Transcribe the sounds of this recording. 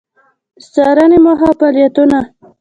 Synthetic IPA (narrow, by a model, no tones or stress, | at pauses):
st͡sɑɾanemʊɦafaljat̪una